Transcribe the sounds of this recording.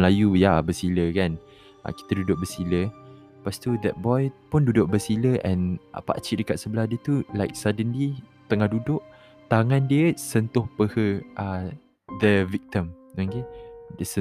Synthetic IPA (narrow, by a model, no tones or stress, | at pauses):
lajujabəsiləkan | ʔa̰ki̥t̪ədudʊʔ̚bəsilə | past̪ud̪ɛt̪̚bɔjpʊndudʊʔ̚bəsiləʔɛ̃n̰pa̰t͡ʃiʔdəkat̪̚səbəlahdiət̪ulajk̚sadənlit̪əŋahdudʊʔ | t̪aŋãndiəsənt̪ʊhpəhəʔa | d̪əvik̚t̪əm | õkedəsə